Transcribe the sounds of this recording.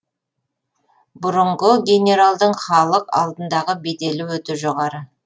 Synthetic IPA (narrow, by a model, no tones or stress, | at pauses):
bʊɾəɴʁəɡʲe̞nʲe̞ɾalˠd̪əɴχɑlˠəqɑ̰lˠd̪ənd̪ɑʁəbejd̪e̞lɪwɵt̪uʒoʁɑɾə